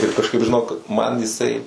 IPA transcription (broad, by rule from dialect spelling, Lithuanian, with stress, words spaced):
ɪr kɐʃˈkɐɪp ʒʲɪˈnoːk mɐn jɪˈsɐɪ